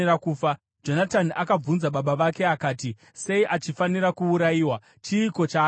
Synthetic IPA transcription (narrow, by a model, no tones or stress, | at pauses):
rakuːfa | d͡ʒo̞nataniʔakab͡vunzaɓaɓaʋake̞akaːti | se̞iʔat͡ʃifaniɾakuːɾajiːwa | t͡ʃiːko̞t͡ʃaː